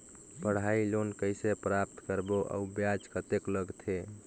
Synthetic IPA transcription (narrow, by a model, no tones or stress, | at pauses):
pəɽ̤ailonkəjsepɾap̚t̪kəɾboʔa̰ubjad͡ʒkət̪ekləɡt̪ʰe